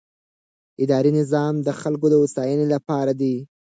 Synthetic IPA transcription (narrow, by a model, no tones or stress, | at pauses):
ɪd̪ɑɾinɪzɑmd̪əxalk̬od̪əʊsɑjənelapɑɾad̪i